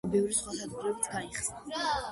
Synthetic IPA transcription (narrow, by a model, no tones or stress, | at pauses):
bɛvɾisχwasazɡɾɛbit̪ʰɡaiχsna